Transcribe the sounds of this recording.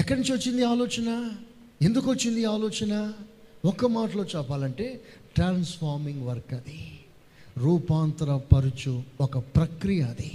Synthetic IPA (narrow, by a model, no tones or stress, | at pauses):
ɛkːɐɾniɲt͡ʃiʋɐt͡ʃːind̪iaːlɔːt͡ʃɐnɐ | e̞nd̪ukot͡ʃːind̪iaːlɔːt͡ʃɐnɐɔkːɐmaːʈɐlo̞ːt͡ʃɛːpaːlɐɳʈe̞ː | ʈɾaːnsfaːɾmiŋɡʋɐɾkɐd̪i | ɾuːpaːnt̪ɾɐpɐɾut͡ʃuɔkɐpɾɐkɾijɐːd̪i